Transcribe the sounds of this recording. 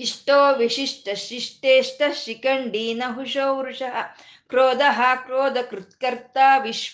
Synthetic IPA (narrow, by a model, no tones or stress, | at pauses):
iʂʈoːʋiʃiʂʈɐʃiʂʈeːʂʈɐʃikɐɳɖiːnɐɦuʃoːʋɾuʂɐɦɐ̆ | kɾoːd̪ɐɦɐkɾoːd̪ɐkɾut̪kɐɾt̪aːʋiʃ